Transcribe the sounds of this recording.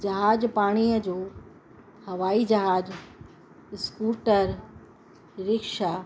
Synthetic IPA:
d͡ʑɐɦaːd͡ʑpaːɽ̃ijəd͡ʑoː | hɐʋaːid͡ʑɐɦaːd͡ʑ | skuːʈəɾ | ɾɪkʃa

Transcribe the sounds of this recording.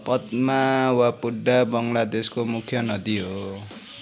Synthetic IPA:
pʌt̪mawapuɖːabʌŋlad̪eskomukʰjʌnʌd̪iɦo

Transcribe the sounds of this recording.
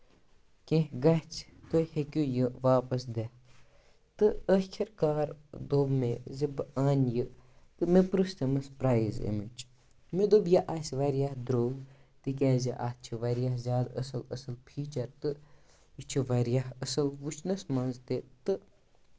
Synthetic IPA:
kʲẽɦɡɐht͡sʰt̪ojhekʲujɨʋaːpɐsd̪e | t̪ɨəkʲʰɐɾkaːɾd̪obmezibaːnjɨt̪ɨmepɾɨst̪emɐspɾaːjzḛmit͡ʃ | med̪objɐʔaːsʲʋɐɾjahd̪ɾoːɡt̪ɨk̬ʲɛːziʔa̰t͡ʃʰiʋɐɾjahzʲaːd̪ɐ̰sɐlɐ̰sɐlpʰiːt͡ʃɐɾt̪ɨ | it͡ʃʰiʋɐɾjahəsɐlʋut͡ʃʰnɐsmɐnzt̪et̪ɨ

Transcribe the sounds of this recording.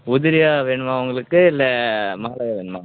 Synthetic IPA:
ʊðɪɾɪjaːʋeːɳɯmaːʊŋɡɐɭɯkːɯɪlːɛmɐːɐlɐjaːʋeːɳɯma̰ː

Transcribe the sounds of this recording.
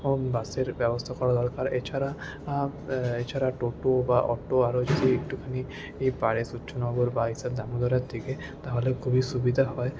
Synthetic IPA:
onbaseɾbɛbost̪ʰakɔɾad̪ɔɾkaɾet͡ʃʰaɾa | et͡ʃʰaɾaʈoʈobaʔɔ̰ʈːoaɾod͡ʒod̪ʱiek̚ʈukʰani | ejpaɽesutːʃʰonɔɡoɾbaisad̪amud̪ʱɔɾaɾd̪ike | t̪aɦolekʰubiʃubid̪ʱaɦɔe

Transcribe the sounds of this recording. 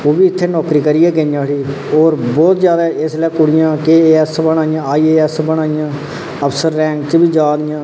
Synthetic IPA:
oːbiːɪt̪ʰːeːnɔːkɾiːkəɾiːɛːɡenjãːɽiː | oːɾbɔːt̪zjaːd̪aɛɪslɛːkʊɽɪjãːkeːeːɛːsbənaːɪjãːaːiːeːɛːsbəɽaːɪjãː | əpsəɾːɛ̃ːŋkt͡ʃbiːd͡ʒaːd̪ɪjãː

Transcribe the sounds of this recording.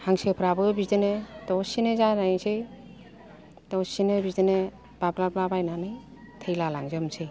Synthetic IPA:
haŋsepʰɾabɯbidenetɔsinezanase | tɔwsinebidene | b̥ablablabajnanɯj | tʰejlala̰ŋzɯmsʰe

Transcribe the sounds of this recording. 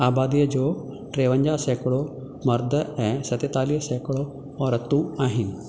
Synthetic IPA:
abad̪ijəd͡ʑo | ʈɾeʋəɲd͡ʑasɛkɭo | məɾd̪ʱəɛsɐt̪et̪alisɛkɭo | ɔɾət̪ũaɦin

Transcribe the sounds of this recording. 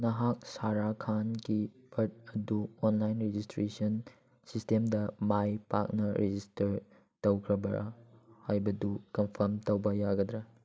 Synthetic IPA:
nɐɦak̚saɾakʰanɡibɐɾt̚ɐduonlajnɾed͡ʒistɾesɐn | sistemdɐmajpa̰k̚nɐɾʔed͡ʒistɐɾ | tɐwkʰɾɐbɐɾɐ̰hajbɐdukɐmpʰɐɾmtɐwbɐjaɡɐd̪ɾɐ

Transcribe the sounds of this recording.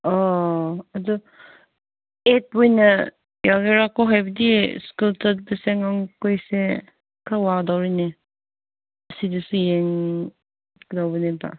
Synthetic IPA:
ɔ | adɔ | et̚wujna | jaɡeɾakɔɦajbədiskultadɯseŋaŋkojse | kʰawadawɾine | ɐsidɯsujeŋ | kdawbəneta̰

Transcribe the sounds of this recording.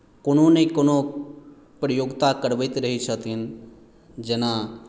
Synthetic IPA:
kʊn̤õːnekʊnõ | pɾəjoːɡt̪akəɾʋət̪ɾəɦit͡ʃʰət̪iɦn | d͡ʒənãː

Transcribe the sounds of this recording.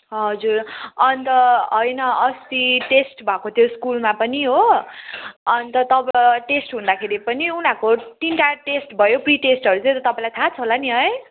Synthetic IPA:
ɦʌd͡zurʌnt̪ʌɦʌjnʌʌst̪iʈesʈbʱʌkot̪ʰjoskulmapʌniɦo | ʌnt̪ʌt̪ʌbʈesʈɦũnd̪akʰeɾipʌniunãkoʈ̪inʈaʈesʈbʱʌjopriʈesʈɦʌɾut͡sʌ̃t̪ʌt̪ʌpaĩlajt̪ʰat͡sʰʌɦolaniɦʌj

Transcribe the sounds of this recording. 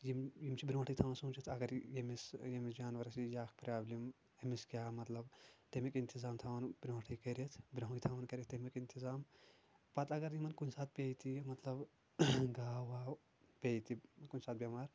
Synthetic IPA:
jimjimt͡ʃʰibɾõːʈʰijt̪ʰaːʋɐnsuːt͡ʃʰit̪ʰɐɡɐɾjemisjemisd͡ʒaːnʋɐɾɐsijaːkʰpɾaːblim | emiskʲaːmɐt̪lɐbt̪emikint̪ʰizaːmt̪ʰaːʋɐnbʲɾõːʈʰikɐɾet̪ʰbɾɐɦkit̪ʰaːʋɐnkɐɾet̪ɐmikint̪ʰizaːm | pɐt̪ɐɡɐɾjimɐnkunʲsaːt̪̚ʰpʲeːjt̪imɐt̪lɐb | ɡaːʋaː | pʲeːjt̪ikunʲsaːt̪̚bʲjɐmaːɾ

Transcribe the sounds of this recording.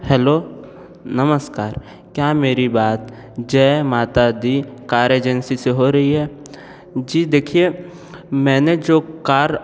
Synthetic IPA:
hɛːloː | nɐməskaːɾ | kjaːmeːɾibaːt̪ | d͡ʒɛːmaːt̪ad̪ikaːɾeːd͡ʒənsiseɦoɾɐɦiɦɛː | d͡ʒiːd̪eːkʰie | mɛ̃ːned͡ʒoːkaːɾ

